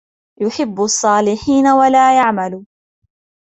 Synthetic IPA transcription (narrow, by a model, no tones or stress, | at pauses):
jʊħɪbːsˤːɑːlɪħiːnawalaːjaʕmalu